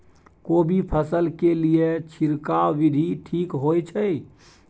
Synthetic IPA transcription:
kobʱipʰəsəlkelijet͡ʃʰiɾkaʋid̪ʱiʈʰikɦojt͡ʃʰəj

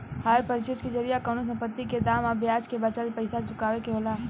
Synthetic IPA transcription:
haɾpəɾt͡ʃet͡ʃkid͡ʒəɾijakənos̬ə̃mpət̪ːiked̪aːmabjaːt͡ʃkebət͡ʃəlpəɪsat͡ʃʊkaːʋekeɦoːla

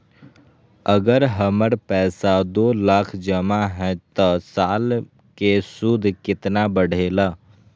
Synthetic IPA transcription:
əɡəɾɦəməɾpɛːsad̪olakʰd͡ʒəmaɦɛ̃t̪əsaːl | kesud̪ʱkɪt̪nabəɽ̤ʱelə

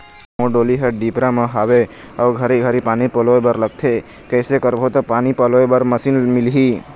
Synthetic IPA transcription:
mõɖoliɦəɖipɾamãɦaʋe | əʋɡʱəɾiɡʱəɾipanipəloebəɾləɡ̚t̪ʰe | kəːsekəɾʋot̪opanipəloebəɾməsinmɪlɦi

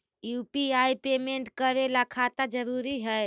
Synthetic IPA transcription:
juːpiaipeːmẽɳʈkəɾelakʰat̪ad͡ʒəɾuːɾiɦə

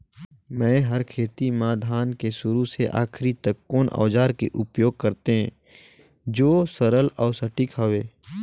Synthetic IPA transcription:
mɛ̃ːɦəɾkʰeːt̪imaːd̪ʱaːnkesʊɾuseʔa̰ːkʰɾit̪əkːoːnʔɔ̰ːd͡ʒaːɾkḛʔʊpjoːɡ̚kɐɾt̪eɦɛ̃ː | d͡ʒoːsəɾəlɔːsɐʈɪkɦɔʋeː

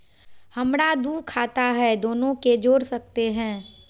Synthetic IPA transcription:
hɐmɽad̪uːkʰaːt̪aɦɛd̪oːnõked͡ʒoːɽsɐk̚t̪eɦɛ̃ː

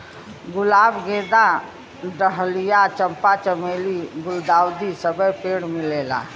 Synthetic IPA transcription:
ɡʊlaːbɡeːd̪a | ɖəɦlijat͡ʃə̃mpat͡ʃəmeːliɡʊld̪aːwd̪isəbəjpeːɽmɪleːla̰ː

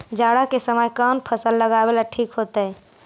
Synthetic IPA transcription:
d͡ʒaɽakesəməjkənpʰəsəlːəɡabelaʈʰiːkɦot̪ə

